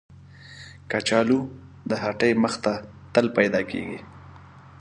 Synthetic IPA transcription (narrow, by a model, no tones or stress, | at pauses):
kat͡ʃɑlu | d̪əɦaʈəjməxt̪a | t̪əlpajd̪ɑkḛɡḭ